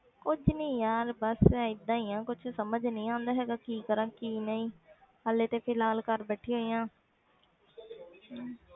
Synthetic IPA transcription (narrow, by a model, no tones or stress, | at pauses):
kʊd͡ʒʰnĩːjaːɾbəsɛːɪd̪ːãːiːãːkʊt͡ʃʰsəməd͡ʒnəĩːãːnd̪aːɦɛːɡaːkiːkəɾãːkiːnəĩː | əlːeːt̪eːpʰɪlaːlkəɾbɛːʈʰĩːɦoːijãː